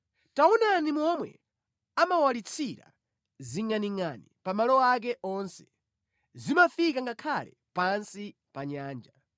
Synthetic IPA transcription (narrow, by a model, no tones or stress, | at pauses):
taunanimɔmwɛ̰ | amawalit͡sʰiɾa̰ | ziŋaniŋanipamalɔak̬ɛʔɔnsɛ̥ | zimafikaŋɡakʰalɛ̰ | pansi | paɲaːnd͡ʒa